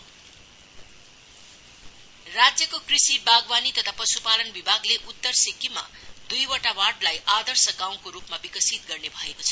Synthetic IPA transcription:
rad͡zjʌkokrisibaɡbanit̪ʌt̪ʰapʌsupalʌnbibʱaɡleʔut̪ːʌrsikima̰d̪ujwʌʈawaʈlajʔad̪ʌrsʌɡãw̃koɾupmabikʌsit̪ɡʌrnebʱʌekot͡sʰʌ̥

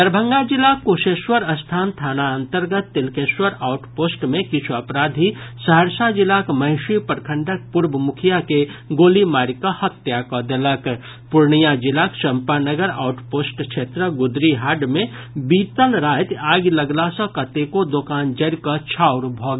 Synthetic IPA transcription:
t̪əɾbʱəŋɡad͡ʒilakoʃeːʃwəɾəst̪ʰaːnt̪ʰaːnaənt̪əɾɡət̪ːilkeʃwəɾaʊʈpoːsʈmẽkɪt͡ʃʰuəpɾad̪ʱisəɦəɾsad͡ʒilakməɦɪʃipəɾkʰəɳɖək̚puɾbʱəmukʰijakeɡoːlimaɾikəhət̪jakɔd̪elək | pʊɾnijad͡ʒilakʃəmpanəɡəɾa̰ʊʈpoːsʈt͡ʃʰet̪ɾəɡud̪ɾiɦaːɖmẽ | bit̪əlɾaːjt̪aːɡləɡlasə̃kət̪ekod̪okaːnd͡ʒəɾkət͡ʃʰaʊɾbʱɔɡ

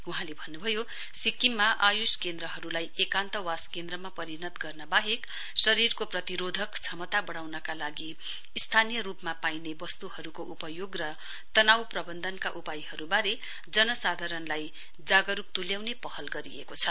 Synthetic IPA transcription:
uɦãlebʱʌnːubʱʌjo | sikimːaʔajuskend̪ɾʌɦʌɾulajekant̪ʌwaskend̪ɾʌmapʌɾinʌt̪ɡʌrnʌbaɦek | sʌɾirkoprʌt̪iɾod̪ʱʌkt͡sʰʌmʌt̪abʌɽ̃awnʌkalaɡi | ist̪ʰanijʌɾupmapajnebʌst̪uhʌɾukoʔupʌjoɡrʌ | t̪ʌnawprʌbʌnd̪ʱʌnkaʔupajhʌɾubaɾe | d͡zʌnʌsad̪ʱaɾʌnlaj | d͡zaɡʌɾuk̚t̪uljawnepʌhʌlɡʌɾiḛkot͡sʰʌ

